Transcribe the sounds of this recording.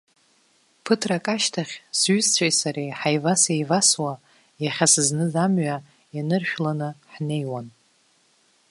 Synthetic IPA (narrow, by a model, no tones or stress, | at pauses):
pʰɨtʰrakʼaʃtʰaχʲsɥʏzt͡ɕʷʰʼajsaɾejħajvasejvaswa | jaχʲasɨznɨzamɥa | janɨrʃᶣlanɨħne̞jwan